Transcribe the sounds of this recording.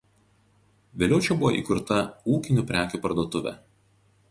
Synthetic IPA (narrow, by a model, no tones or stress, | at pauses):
ʋʲeːlʲɛʊt͡ʃʲɛbʊʋo̰ʔḭkʊɾt̪ɐuːkʲɪnʲuːˑpʲɾʲæːkʲuːpɐɾd̪oɔt̪ʊʋʲæ̰